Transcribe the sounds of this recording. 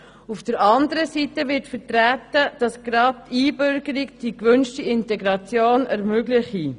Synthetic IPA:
ufd̥əɾɑndəɾəsiːtəʋɪɾtfəɾtɾætːəd̥ɑsɡ̥ɾɑt̚tːiːbʏɾɡəɾiɡd̥ikʋønʃtiɪntɛɡɾɑt͡sjoːnɛɾmøɡlɪχi

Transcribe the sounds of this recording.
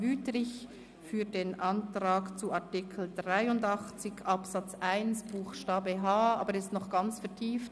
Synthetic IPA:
vyːtʁɪç | fyːdeːnʔantʁaːkt͡suaɐtɪkʰl̩dʁaɪʊndɑχt͡sɪçʔɑpsɑt͡sʔaɪnsb̥uːxʃtaːbəɦaːaːbəʁɛstnɔχɡ̥ɑnt͡sfɛɐtʰiːft

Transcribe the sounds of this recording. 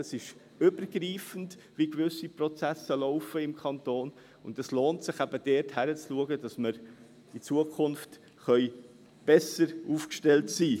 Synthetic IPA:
əsɪʃ | ʏbəɾɡriːfən̩dvʋikvʏsiprɔt͡sæsəlɔʊfəɪmkʰχɑntoːn | ʊndɛsloːntsɪχæb̥əd̥ɛːɾthæɾət͡sluəɡədɑsməɾ | it͡suəkʰχʊnft | χœʏ | b̥ɛsəɾuːfkʃtɛltsiː

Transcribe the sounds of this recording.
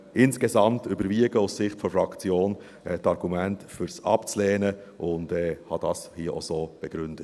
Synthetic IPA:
ʔɪnsɡ̥ezɑmtybəɾviəɡəussɪχtfɔɾfɾɑkt͡sjoːn | ɛtɑɾɡ̥umæntfʏɾsɑ̰pt͡slɛːnə | ʔʊndɛːhɑd̥ɑshiəʔo̰zoːb̥ɛɡ̥ɾʏnd̥ət

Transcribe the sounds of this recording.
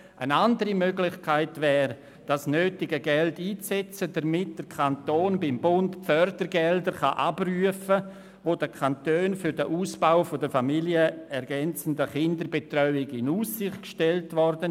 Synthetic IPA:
ʔə̰nandəɾimøɡlɪχkʰaɪtvɛːɾ | d̥asnøːtɪɡəɡɛltiːt͡sɛt͡sədɐmɪt̚d̥əɾkʰantoːnbɪmbʊntfœɾdəɾɡɛldəχa̰ʔabryəfə | voːdəkʰantøːnfʏɾdəʔuːsb̥aʊfodəfamiljəɛɾɡɛnt͡sən̩dəχɪndəɾbetrœʏɪɡɪnuːsːɪχtkʃtɛltvɔrdən

